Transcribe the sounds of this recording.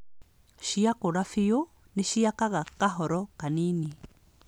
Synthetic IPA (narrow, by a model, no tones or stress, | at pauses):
ʃiakoɾafijo | neʃiakaɣakaɦɔɾɔkanini